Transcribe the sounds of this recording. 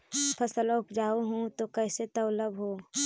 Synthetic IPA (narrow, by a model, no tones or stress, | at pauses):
pʰəsəlʊpd͡ʒaːuɦũt̪okɛːset̪ɐʊləbɦoː